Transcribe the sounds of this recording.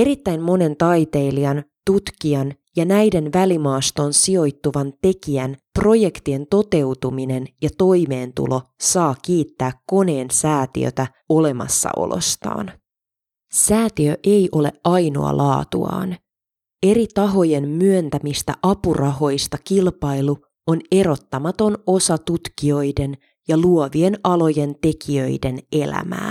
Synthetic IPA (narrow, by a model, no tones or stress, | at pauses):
e̞ɾit̪ːæjmmo̞ne̞nt̪ɑjt̪e̞ːliɑnt̪ut̪kiɑn | jɑnæjde̞nʋælimɑːst̪o̞nsio̞jt̪ːuʋɑnt̪e̞kiænpro̞je̞kt̪ie̞nt̪o̞t̪e̞wt̪umine̞njɑt̪o̞jme̞ːnt̪ṵlo̞sɑːkiːt̪ːæːkkːo̞ne̞ːnsæːt̪ḭø̰t̪æ | o̞le̞mɑ̰sːɑ̰ʔo̰lʔo̰st̪ɑ̰ːn | sæːt̪iøʔejʔo̞le̞̰ʔɑjno̞̰ɑ̰lʔɑːt̪ṵɑ̰ːn | e̞ɾit̪ɑɦo̞je̞mmyønt̪æmist̪æʔɑpurʔɑɦo̞jst̪ɑkilpɑjlu | one̞ɾo̞t̪ːɑmɑt̪o̞no̞sɑt̪ut̪kio̞jde̞n | jɑluoʋie̞nʔɑlo̞je̞nt̪e̞kiø̞jde̞ne̞læ̰mæ̰ː